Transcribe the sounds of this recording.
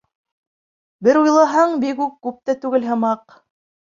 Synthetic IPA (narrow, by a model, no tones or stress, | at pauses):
bɘɾujlˠɑɦɑɴbikukːʉp̚t̪æt̪ʉɡɘlɦɤ̆mɑq